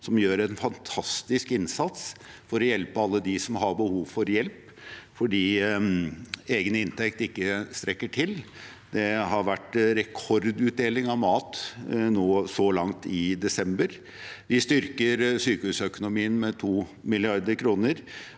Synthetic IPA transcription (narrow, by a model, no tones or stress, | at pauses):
sɔmjøːɾɛnfɑnt̪ʰɑst̪ɪskɪnsɑt̪sfɔɾɔjɛlpəɑlːəd̪ɪsɔmɦɑɾbəhuːʋfɔɾjɛlp | fɔɖiː | eːɡənɪnt̪ʰɛk̚t̪ɪkːəst̪ɾɛkːəʈʰɪl | d̪ɛɦɑɾʋæʈɾɛkʰɔɾd̪ʉt̪̚d̪eːlɪŋɑʋmɑːt̪noːsɔlɑŋt̪ɪd̪ɛsɛmbəɾ | ʋɪst̪ʏɾkəɾsyːkəhʉːsœkʊnʊmiːənmɛt̪ʰuːmɪlɪɑɾd̪əɾkʰɾuːnəɾ